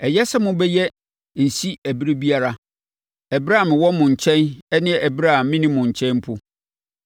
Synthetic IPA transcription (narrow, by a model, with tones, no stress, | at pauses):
ɛ˨jɛ˦sɛ˦mʊ̃˦bɛ˦jɛ˦ | n̩˨si˦æ˨bi˦ɾe˦bi˦a˦ɾa˨ | ɛ˨bɾa˦˨mɪ̃˨wɔ˦mʊ̃˨ɲ̩˨t͡ɕʰɛ̃˦nɛ˦nɪ̃˦ɛ˨ʔɛ˨bɾa˦˨mmːɪ̃˦nĩ˦mʊ̃˨ɲ̩˨t͡ɕʰɛ̃˦nm˦pʰʊ˦